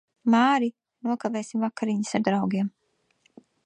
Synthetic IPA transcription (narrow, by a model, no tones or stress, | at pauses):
maːɾi | nuɔkavɛːsimvakaɾiɲisaɾd̪ɾawɡiɛm